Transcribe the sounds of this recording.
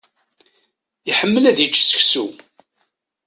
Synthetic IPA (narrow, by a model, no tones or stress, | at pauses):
iħəmːəlæðit͡ʃːsə̥çsu